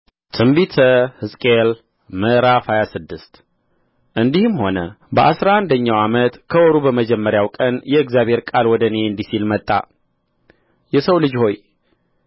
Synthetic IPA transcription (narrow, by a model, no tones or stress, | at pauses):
t̪ʰɨmbit̪ʰəhɨsʼkʼel | məʔɾafhajasɨd̪ːɨst̪ | ʔɨnd̪ihɨmho̞nə | bəʔasɾaand̪əɲːawamət̪kʰəwɔɾubəməd͡ʒɛmːəɾjawkʼənjɛɨɡzjaβhe̞ɾkʼalwɔd̪əne̞ɨnd̪isilmət̪ʼːa̰ | jɛsəwlɨd͡ʒho̞j